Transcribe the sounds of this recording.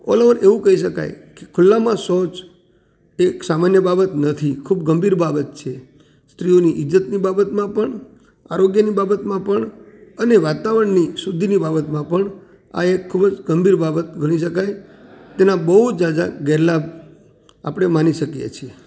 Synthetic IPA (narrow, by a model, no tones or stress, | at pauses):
ɔ̰ləʋəɾʔeʋũkəɦiʃəka̰jke̥kʰʊlːãmãsot͡ʃ | eksamanjəbabət̪nət̪ʰikʰubɡəmbʱiɾbabət̪̚t͡ʃʰe | st̪ɾioniʔɪd͡ʒːət̪nibabət̪mãpəɳ | aɾoɡjənibabət̪mãpəɳ | əneʋat̪aʋəəɳnisud̪ʱinibabət̪mãpəɳ | a̰ekʰːubəd͡ʒɡəmbʱiɾbabət̪̚ɡʱəɽ̃iʃəkajt̪enãbəɦud͡ʒad͡ʒa̰ɡɛɾlab | a̰pəɽ̃emaniʃəkijḛt͡ʃʰie